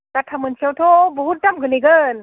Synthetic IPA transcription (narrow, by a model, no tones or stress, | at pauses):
katʰamɯnsʰiawtʰɔbɔɦut̚damɡɯleɡɯn